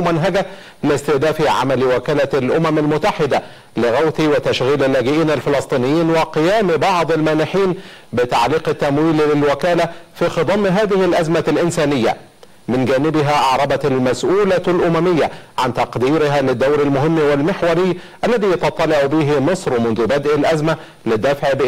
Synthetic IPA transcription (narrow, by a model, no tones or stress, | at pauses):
mænɦaɡa | lɪst̪ɪhd̪æːfiʕa̰malwakæːlalʔʊmæmalmʊt̪ːaħɪd̪a | lɪɣawθiwɪt̪aʃɣiːlɪlːæːɡɪʔiːnalfɪlɑsˤt̪ˤiːnɪjːiːnwɪqɪjaːmbɑʕd̪ˤɑlmaːnɪħiːnbɪt̪ɑʕliːqɪt̪ːæmwiːllɪlwɪkæːlafiːxɨd̪ˤɑmːɦaːðɪhɪlʔæzmalʔɪnsæːnɪjːa̰ | mɪnɡæːnɪbɪɦæʔɑʕɾˤɑbɑalmæsʔuːlalʔʊmæmɪjːaʕant̪ɑqd̪iːɾɪɦalɪd̪ːawɾalmʊɦhɪmːwɪlmɪħwɑɾɪjːʔalːæðiːjɑt̪ɑt̪ˤːɑlɪʕʊbiːɦɪmɨsˤɾmʊnðʊbæd̪ʔalʔæzma | lɪd̪ːafʕb